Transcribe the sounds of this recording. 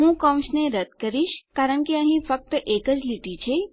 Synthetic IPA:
ɦũkəw̃ʃneɾəd̪kəɾiʃkaɾəɳ̃keəɦĩfək̚t̪əʔekəd͡ʒliʈit͡ʃʰe

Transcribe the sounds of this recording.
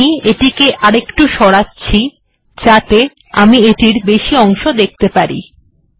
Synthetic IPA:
ieʈikeʔaɾekʈuʃɔɽatːɕʰi | d͡ʑat̪e | a̰mieʈiɾbeʃiɔŋʃod̪ek̚ʰt̪epaɾḭ

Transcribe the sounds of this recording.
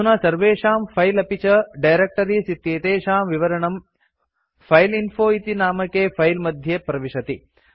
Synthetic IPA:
unɐsɐɾʋeːʂaːmpʰɐjlɐpit͡ʃɐɖɐjɾek̚ʈɐɾisit̪ːjeːt̪eːʃaːmʋiʋɐɾɐɳɐm | pʰɐjlinpʰoːit̪inaːmɐkepʰɐjlmɐd̪ʱjepɾɐʋiʂɐt̪i

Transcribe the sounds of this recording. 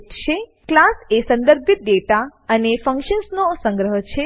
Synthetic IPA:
t͡ʃʰe | klasesə̃nd̪əɾbʱit̪̚d̪et̪aənefə̃ŋkʃənsnosə̃ŋɡɾəɦət͡ʃʰe

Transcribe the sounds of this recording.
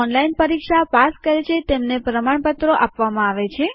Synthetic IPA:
ɔnlainpəɾikʃapaskəɾet͡ʃʰet̪emnepɾəmaɳpət̪ɾoʔapʋamãaʋet͡ʃʰe

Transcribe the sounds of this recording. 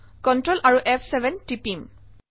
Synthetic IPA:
kɔntɹɔlʔaɹuʔɛpʰsɛbʱɛntipim

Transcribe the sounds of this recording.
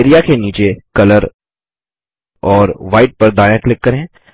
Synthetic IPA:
eːɾijakeniːt͡ʃekɐləɾ | ɔːɾʋaːɪʈ̚pɐɾd̪aːɪãklɪkːɐɾẽː

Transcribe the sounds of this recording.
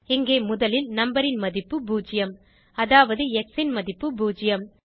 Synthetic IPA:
ɪŋɡeːmʊðɐlɪlnɐmbɐɾɪnmɐðɪpːɯbuːd͡ʒɪjɐm | ɐðaːʋɐðɯɛksɪnmɐðɪpːɯbuːd͡ʒɪjɐm

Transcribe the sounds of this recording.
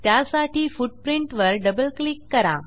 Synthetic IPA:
t̪jasaʈiːfuɖ̚pɾiɳʈʋəɾɖəbəlklikːəɾa̰

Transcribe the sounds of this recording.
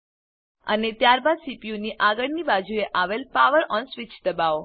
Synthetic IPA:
ə̰net̪jaɾbad̪sipiũniʔaɡəɭnibad͡ʒʱueʔaʋelpaʋəɾɔnsʋit͡ʃd̪əbao

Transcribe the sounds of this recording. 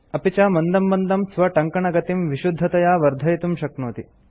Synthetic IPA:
ɐpit͡ʃaːmɐnd̪ɐmbɐnd̪ɐmsʋɐʈɐŋkɐɳɐɡɐt̪imʋiʃud̪ʱːɐt̪ɐjaːʋɐɾd̪ʱɐjt̪umʃɐknoːt̪i

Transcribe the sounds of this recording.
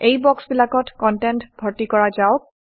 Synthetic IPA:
ejbɔksbilakɔtkɔntɛntɡʱɔɹtikɔɹazaʊk̚

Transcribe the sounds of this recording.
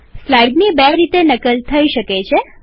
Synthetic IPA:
slajɡnibeɾit̪enəkəlt̪ʰəiʃəket͡ʃʰe

